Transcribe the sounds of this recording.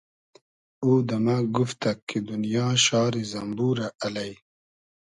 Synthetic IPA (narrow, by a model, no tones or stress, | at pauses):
uːd̪amaɡuft̪akːed̪unijɑːʃɑːɾizɐmbuɾaʔalaj